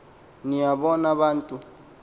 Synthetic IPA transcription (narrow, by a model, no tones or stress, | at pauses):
nijaɓɔnaβaːntʼu